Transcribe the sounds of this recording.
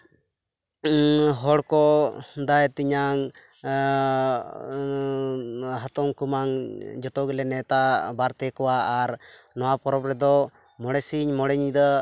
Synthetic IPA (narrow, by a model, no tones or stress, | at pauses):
ɦɔɽkɔd̪aɛt̪iɲaŋ | ɦat̪ɔŋkumaŋd͡ʒɔt̪ɔɡɛlɛnɛt̪abaɾt̪ɛkɔwaːɾnɔwapɔɾɔbɾɛd̪ɔ | mɔɽɛsiɲmɔɽɛɲd̪ə